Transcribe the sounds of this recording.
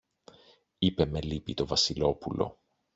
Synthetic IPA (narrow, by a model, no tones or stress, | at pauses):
ipe̞melipit̪o̞vɐsilo̞pulo̞̰